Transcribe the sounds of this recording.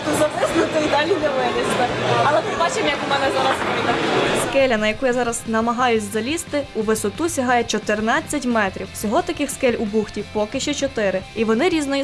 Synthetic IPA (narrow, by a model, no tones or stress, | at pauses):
t̪uzɐp̪ɪsnɪt̪ɪid̪ɑlʲinɛʋɪlˠɪsʲɐɐlˠɛmɪbɑt͡ʃɪmjɐkʊmɛnɛzɑɾɐspɔid̪ɐskɛlʲɐnɐjɐkujazɑɾɐz̥nɐmɐɦɑjʊsʲzɐlʲist̪ɪuʋɪsɔt̪usʲɐɦɑjɛt͡ʃɔt̪ɪrnɑt͡sʲːɐtʲmɛt̪ɾʲiwsʲɔɦɔt̪ɐkɪxskɛlʲubuxtʲipɔkɪʃt͡ʃɔt͡ʃɔt̪ɪɾɪiʋɔnɪɾʲiznɔji